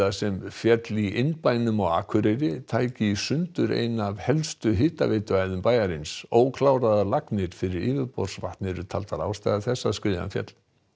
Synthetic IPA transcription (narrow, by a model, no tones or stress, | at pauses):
asɛmfjɛt̪liʔɪnpajnʏmɔɣa̰ːkʰʏɾejɾɪt̪ʰaːjcɪisʏnt̪ʏɾḛjnavhɛlst̪ʏɦɪːt̪a̰veːt̪ʏajðʏmpaːjaɾɪnsoːwkʰlaːwɾaðalaknɪɾ̥fɪɾɪɾɪːvɪðpɔ̰ɾr̥svaht̪nɪɾʏt̪ʰalt̪aða̰ːwst̪ajðaθɛsːaskɾɪːða̰nfjɛ̰t̪l̥